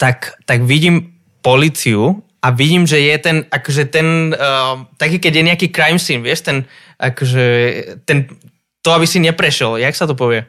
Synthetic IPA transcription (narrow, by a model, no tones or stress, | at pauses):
t̪akt̪aɡʋiɟiːm | pɔliːt͡siu | aʋiɟiːmʒɛjɛt̪ɛnakɔʒɛt̪ɛn | t̪akiːkɛɟjɛɲɛakiːkɾajmsinʋɪɛʃt̪ɛn | ʔakɔʒɛt̪ɛn | t̪ɔabisiɲɛpɾɛʃɛljaksat̪ɔp̬ɔʋɪɛ